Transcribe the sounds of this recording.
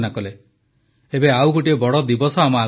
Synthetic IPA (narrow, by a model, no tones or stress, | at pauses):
nakɔle | ebeawɡoʈiebɔɽɔd̪ibɔsɔamaː